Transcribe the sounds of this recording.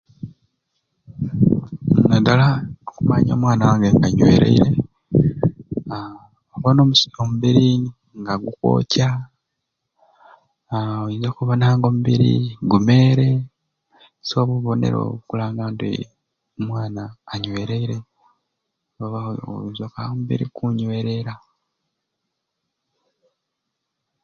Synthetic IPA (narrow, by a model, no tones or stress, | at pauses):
nadalaokuma̰ɲo̰mwaːnawaːŋɡeŋɡaɲwe̞̰ːɾḛiɾe̞ | oβono̞ːmuomuβiɾi | ŋɡaɡukwo̞̰ːca | ojizakuβanaːŋɡo̞ːmuβiɾḭɡume̞ːɾe̞ | soːβuβo̞ne̞̰ɾo̰kulaːŋɡandḭ | omwaːnaːɲwe̞ːɾeiɾe̞ | oβao̰jizokaomuβḭɾḭkʰuɲweɾe̞ɾa